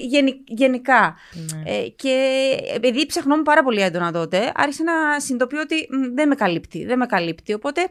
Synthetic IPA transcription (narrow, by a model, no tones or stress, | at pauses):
ʝe̞niʝe̞nikɐ | ece̞epiðipsɐxno̞mupɐɾɐpo̞liend̪o̞nɐðot̪e̞ɐ̰ɾçisenɐsind̪o̞pio̞t̪iðenme̞kɐlipt̪iðenme̞kɐlipt̪io̞po̞t̪e̞